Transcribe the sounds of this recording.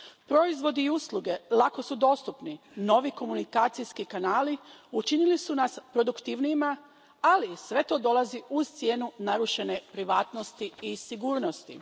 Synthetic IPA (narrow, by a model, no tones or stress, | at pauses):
pɾo̞izʋo̞d̪iːuslˠuɡe̞lˠako̞sud̪o̞st̪upni | no̞ʋiko̞munikaːt̪sijskikanaːliut͡ʃinilisunaspɾo̞d̪ukt̪iʋnijima | alisʋe̞t̪o̞ːd̪o̞lˠaziuz̥t̪sje̞ːnunaɾuʃe̞ne̞pɾiʋaːt̪no̞st̪iisiɡuːɾno̞st̪ḭ